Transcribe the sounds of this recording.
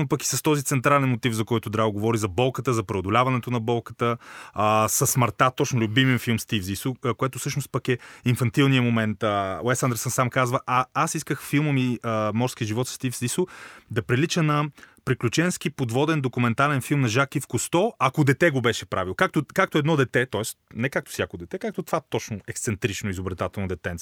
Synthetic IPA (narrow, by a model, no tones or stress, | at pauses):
nopəki̥sɐst̪ɔzit̪sɛnt̪ɾalɛnmot̪ivzɐkɔjt̪ʊd̪ɾaɡovɔɾizɐbɔlˠkət̪əzɐpɾɛod̪olʲavɐnɛt̪onɐbɔlˠkə̥t̪ə | sɐsməɾt̪at̪ɔt͡ʃnʊlʲubimɛnfilˠmst̪ifzisukoɛt̪ʊsɤʃnʊst̪̚pəkɛinfɐnt̪ilˠnijəmomɛnt̪əlɛsãnd̪ɛɾsənsamkazvəʔɐasiskəxfilˠməmiəmɔɾskiəʒivɔt̪sst̪ifzisʊd̪ɐpɾilit͡ʃənɐpɾiklʲut͡ʃɛnskipod̪vɔd̪ɛnd̪okumɛnt̪alɛnfilˠmnɐʒakːifkost̪ɔɐkod̪ɛt̪ɛɡobɛʃɛpɾa̰vilˠokak̚t̪okak̚t̪oɛd̪nɔd̪ɛt̪ɛt̪ɔɛst̪nɛkak̚t̪ʊ̥sjakod̪ɛt̪ɛkak̚t̪ot̪vat̪ɔt͡ʃnʊɛkst̪sɛnt̪ɾit͡ʃnoizobɾɛt̪at̪ɛlˠnɐd̪ɛt̪ɛnt̪